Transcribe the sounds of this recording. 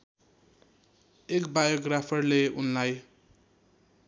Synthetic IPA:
ekbajoɡrapʰʌrleunlaj

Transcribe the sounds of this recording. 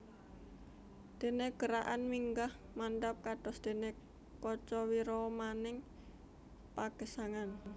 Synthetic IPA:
d̪̥e̤neɡ̥əɾaʔanmiŋɡah | mand̪ap̚kad̥ɔsd̪̥e̤ne | kɔt͡ʃɔwiɾɔmanɪŋ | paɡ̥ə̤saŋan

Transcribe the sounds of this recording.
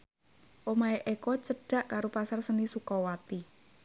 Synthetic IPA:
ʔomaeʔekɔt͡ʃəɖ̥a̤ʔkaɾopasarsənisukɔwat̪i

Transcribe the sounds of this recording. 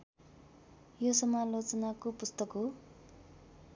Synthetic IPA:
josʌmalot͡sʌnakopust̪ʌkɦo

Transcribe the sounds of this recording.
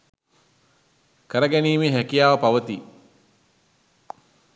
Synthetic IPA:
kəɾəɡæniːmeːɦækijaːʋəpaʋət̪i

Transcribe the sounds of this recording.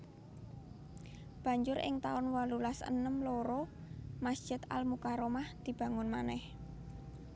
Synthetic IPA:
b̥a̤ɲd͡ʒʊɾʔɪ̰ŋt̪aʊnwalulasə̰nəmloɾɔmasd̥ʒ̥ɪ̤t̪a̰lmukaɾomahd̪̥i̤b̥a̤ŋʊnma̰nɛh

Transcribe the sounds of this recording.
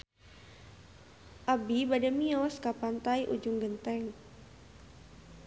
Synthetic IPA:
ʔabibadamiawaskapant̪aiʔṵd͡ʒʊŋɡənt̪ɛŋ

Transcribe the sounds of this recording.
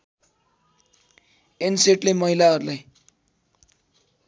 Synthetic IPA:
enseʈlemʌɦilaʌɾulaj

